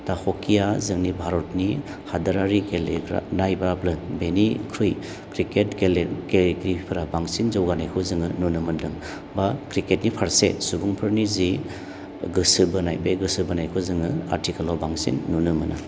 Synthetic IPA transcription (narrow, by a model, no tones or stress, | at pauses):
tahokʰijazɯŋnibʱaɾɔtni | hadaɾaɾikeleɡɾa̰najbɾaplɯbenikʰɾuj | kɾiketkelɡeleɡɾipʰɯɾabaŋsinzowɡanajkʰɯzɯŋɯnunɯmɯndɯŋ | bakɾiket̚nipʰaɾsḛsubuŋpʰɯɾnizi | ɡɯsɯbɯnajbeɡɯsɯbɯnajkʰɯzɯŋɯa̰ɾtʰikalobaŋsḭnːunɯmɯnʔɯ̰